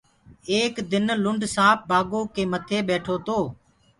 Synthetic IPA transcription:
eːkd̪ɪnlʊɳɖʱsãːp̚baːɡoːkeːmət̪ʰeːɓeːʈʰoːt̪oː

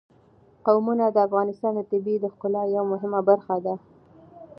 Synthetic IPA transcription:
qawmunad̪əafɣɑnɪst̪ɑnd̪ət̪ɪbid̪əxqʊlɑjawamʊɦɪmabaɾxad̪a

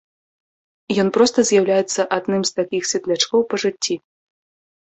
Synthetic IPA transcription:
jɔnpɾɔst̪ɐzʲjawlʲajɛt̪sːɐʔad̪nɨmst̪akʲixsʲvʲɛt̪lʲat͡ʂkɔwpɐʐɨt͡sʲːi

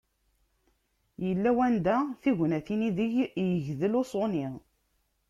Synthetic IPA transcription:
jəlːæwænd̪æθiʝnæθiniðəʝjəʝðəlosˤoni

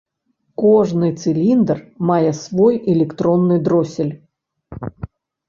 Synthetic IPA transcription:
kɔʐnɨt̪sɨlʲind̪ərmajɛsvɔjɛlʲɛkt̪ɾɔnːɨjd̪ɾɔsʲɪlʲ

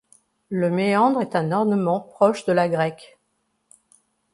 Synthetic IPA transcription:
ləmeɑ̃d̪ʁɛt̪ɛ̃nɔʁnəmɑ̃pχɔʃd̪əlaɡʁɛk

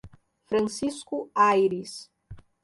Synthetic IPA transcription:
fɾɐ̃nsiskʊajɾis

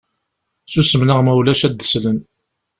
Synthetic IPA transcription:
susəmnəʁmæwlæʃæd̪ːə̥slən

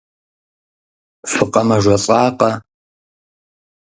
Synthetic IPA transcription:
fɨqʼɐmɐʒʷɔt͡sʼɑːqɐ

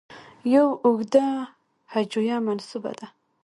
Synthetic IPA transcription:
jawʊɡd̪a | had͡ʒujamansuba̰d̪a

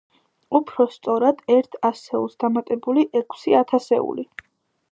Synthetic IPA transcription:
upʰɾɔst̪sʼɔɾad̪̥ɛɾt̪ʰasɛulˠsd̪̥amat̪ʼɛbuliʔɛkʰsiat̪ʰasɛ̰ṵli

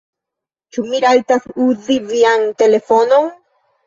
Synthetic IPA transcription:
t͡ʃumiɾalt̪asuziviant̪elefonoŋ

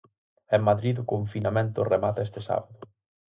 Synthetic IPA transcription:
emmaðɾiðʊkoɱfinamẽnt̪ʊremat̪est̪esa̰βaðʊ

